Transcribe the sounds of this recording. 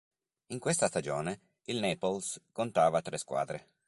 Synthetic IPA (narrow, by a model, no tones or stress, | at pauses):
iŋkwest̪ast̪ad͡ʒoːne | ilneːpolskont̪aːvat̪ɾɛskwa̰ːd̪ɾe